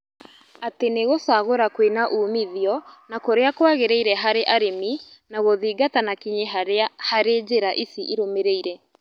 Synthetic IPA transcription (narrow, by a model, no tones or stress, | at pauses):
ateneɣosaɣoɾakwenaʔuːmiðiɔnakoɾeakwaɣeɾɛiɾɛɦaɾeʔaɾeminaɣoðiːɡatanakiɲehaɾed͡ʑeɾaʔisiʔiɾomeɾeiɾɛ